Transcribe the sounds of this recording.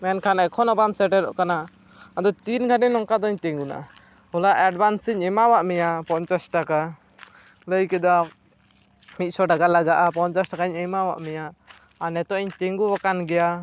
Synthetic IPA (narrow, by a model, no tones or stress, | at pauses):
mɛnkʰanɛkʰɔnɔbamsɛʈɛɾɔ̰ʔkana | ad̪ɔt̪inɡʱaɖɛnɔŋkad̪ɔiɲt̪iŋɡuna̰ʔa | hɔlaʔɛɖbansiɲɛmawaʔmɛjapɔnt͡ʃasʈaka | ləjkɛd̪a | mit̪̚sɔɖaɡalaɡaʔapɔnt͡ʃasʈakaɛɲəmawa̰ʔmɛjaː | nɛt̪ɔɛɲt̪ɛŋɡuwakanɡɛja